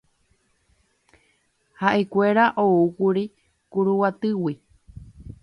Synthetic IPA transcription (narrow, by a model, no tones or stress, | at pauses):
haʔe̞kʷeɾaʔoukuɾi | kuɾuwat̪ɨwi